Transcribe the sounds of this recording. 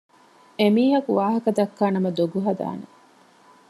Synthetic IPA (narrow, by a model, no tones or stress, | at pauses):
emiːɦɐkuʋaːɦɐkɐd̪ɐkːaːnɐmɐd̪oɡuɦɐd̪a̰ːne